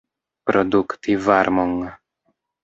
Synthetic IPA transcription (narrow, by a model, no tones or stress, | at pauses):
pɾod̪ukt̪ivaɾmoŋ